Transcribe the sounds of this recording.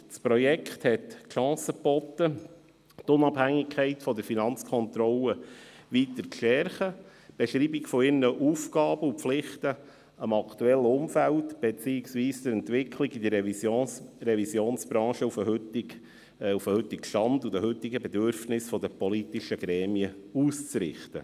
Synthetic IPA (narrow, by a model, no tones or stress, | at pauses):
spɾɔjɛkχt̪hɛt̪ʃɑ̃ːsəpɔt̪ːə | t̪ʊnɑphæŋːɪkʰːɛɪtfɔd̪əɾfinɑnt͡skʰɔnt̪ɾɔləʋit̪əɾt͡sʃɛɾχə | b̥ɛʃɾiːbɪkfɔɪɾnəʔuːfɡɑːb̥əupflɪχtə | əmɑkt̪uɛlːəʊmfælt̪b̥et͡siːɪksʋiːsd̪əɾɛntʋɪkʰlɪɡid̪ə | rɛvisjoːnsb̥ɾɑ̃ːʃəufət | ufəhɵt̪ɪkʃtɑnd̪ud̪əɦɵt̪ːɪɡəbɛd̪øɾfnɪsfɔd̪əpɔlit̪ɪʃəɡɾɛːmiəuːst͡sɾɪ̰χt̪ə̰